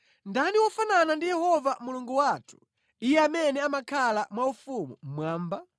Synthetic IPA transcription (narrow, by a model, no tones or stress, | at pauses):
ndaniwɔfananandijɛhɔvamuluŋɡuwatʰu̥ | ijɛamɛnɛamakʰalamwaufumṵm̩mwaːmba